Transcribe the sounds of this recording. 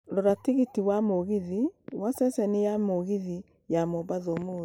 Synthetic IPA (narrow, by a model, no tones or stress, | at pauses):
ɾoɾatiɣitiwamoɣiðiwasɛsɛnijamoɣiði | jamɔbaðɔmo